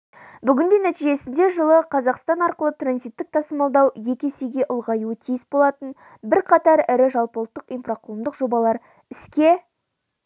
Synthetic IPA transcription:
bʏɡʲɪnd̪enæt̪ijʒe̞sɪnd̪e̞ʒəlˠəqʰɑzɑqst̪ɑnɑɾqəlˠət̪ranzijt̪ːɪk̚t̪ʰɑsəmɑlˠd̪ɑwje̞kʲesejɡʲe̞ʔʊlˠʁɑjuət̪ʰijɪsbo̞lˠɑt̪ən | bɪɾqʰɑt̪ɑɾɪɾɪʒɑlˠpəlˠət̪ːəqijnfraqʰʊlˠəmd̪əqʒo̞bɑlˠɑɾ | ɪskʲe̞

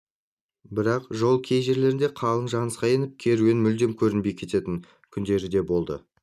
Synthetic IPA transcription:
bɪɾɑqʒo̞lˠkʲʰe̞jʒe̞ɾle̞ɾɪnd̪e̞qʰɑlˠəɴʒɑnəsqɑje̞nɪp̚kʲʰe̞ɾuɡʲenmʏld̪e̞mkʲʰɵɾɪnbejkʲʰe̞t̪e̞t̪ɪŋ | kʲʰʏnd̪e̞ɾɪd̪e̞bo̞lˠd̪ə̰

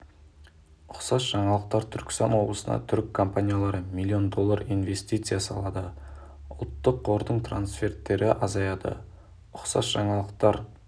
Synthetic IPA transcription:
ʊqsɑsʒ̥ɑɴɑlˠəq̚t̪ɑɾt̪ʰʏɾkʲɪ̥st̪ɑnwo̞blˠəsənɑ̰t̪ʰʏɾkʰːompanʲijalˠɑɾəmilʲːio̞nd̪o̞lˠːɑɾijnve̞st̪ijt̪sɨjasɑ̰lˠɑd̪ə | ʊlˠt̪ːəqʰːo̞ɾd̪əɴt̪ʰra̰nsfʲe̞rt̪ːe̞ɾʔɪʔɑzɑjɑd̪ə̰ | ʊqsɑsʒ̥ɑɴɑlˠəq̚t̪ɑɾ

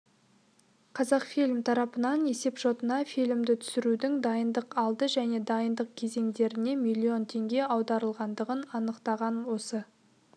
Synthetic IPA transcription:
qʰɑzɑqfilmt̪ʰɑɾɑpənɑne̞se̞pʒo̞t̪ənɑfilɪmd̪ɪt̪ʰʏ̥sɪɾud̪ɪŋd̪ɑjənd̪əqɑlˠd̪əʒæne̞d̪ɑjənd̪əq̚kʲʰe̞ze̞ŋd̪e̞ɾɪne̞milʲːio̞nt̪ʰe̞ŋɡʲe̞ɑwd̪ɑɾəlˠʁɑnd̪əʁənɑnəqt̪ɑʁɑnwo̞sə

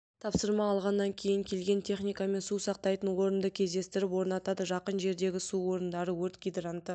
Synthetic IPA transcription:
t̪ʰɑpsəɾmɑːlˠʁɑnːɑŋkʲʰe̞jɪŋkʲʰe̞lɡʲe̞nt̪ʲʰe̞χnijkɑme̞nsusɑq̚t̪ɑjt̪ənwo̞ɾənd̪əkʲʰe̞zd̪e̞st̪ɪɾɪpwo̞ɾnɑt̪ɑd̪əʒɑqənʒe̞ɾd̪e̞ɡʲɪsuwo̞ɾənd̪ɑɾəwɵɾt̪ɡʲijd̪rant̪ə

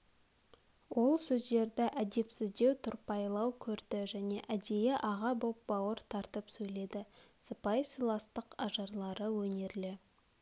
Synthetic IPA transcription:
wʔo̞lˠsɵzd̪e̞ɾd̪ɪʔæd̪e̞psɪzd̪e̞wt̪ʰʊɾpɑjlˠɑwkʲʰɵɾd̪ɪʒæne̞ʔæd̪e̞jeʔɑʁɑbo̞p̚bɑwəɾt̪ʰɑɾt̪əpsɵjle̞d̪ɪsəpɑjsijlˠɑst̪əqɑʒɑɾlˠɑɾəwɵne̞ɾlɪ

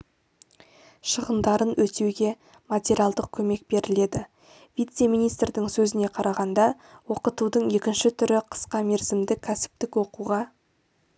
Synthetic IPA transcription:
ʃəʁənd̪ɑɾənwɵt̪e̞wɡʲe̞ | mat̪ʲeɾʲialˠd̪əq̚kʲʰɵme̞k̚be̞ɾʔɪle̞d̪ɪ | vijt̪se̞mijnijst̪rd̪ɪŋsɵzɪne̞qʰɑɾʔɑʁɑnd̪ɑ | wo̞qət̪ud̪əɴe̞kʲɪnʃɪt̪ʰʏɾɪqʰə̥sqɑme̞ɾzɪmd̪ɪkʲʰæsɪ̥p̚t̪ɪkwo̞quʁɑ

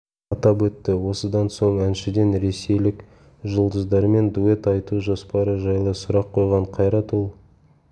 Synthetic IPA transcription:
ɑt̪ɑpwɵt̪ːɪwo̞səd̪ɑnso̞ɴænʃɪd̪e̞nɾe̞se̞jlɪk | ʒəlˠd̪əzd̪ɑɾme̞nd̪ue̞t̪ɑjt̪uʒospɑɾəʒɑjlˠəsʊɾɑqʰːo̞jʁɑɴqʰɑjɾɑt̪olˠ

